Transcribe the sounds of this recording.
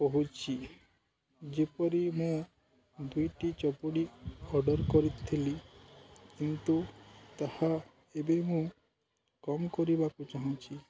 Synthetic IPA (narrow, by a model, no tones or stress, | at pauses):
pɔɦut͡ʃʰi | d͡ʒepɔɾimũ | d̪ujʈit͡ʃɔpoɽiɔɾɖɔɾkɔɾit̪ʰili | kint̪ut̪aha | ebemũ | kɔmkɔɾibakut͡ʃaɦũt͡ʃʰi